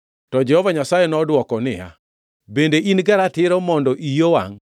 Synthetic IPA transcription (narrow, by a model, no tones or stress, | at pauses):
tɔd͡ʒɛhɔvaɲasajenɔdwɔkɔnɪja̰ | bendeʔinɡaɾatɪɾɔmɔndɔʔijowa̰ŋ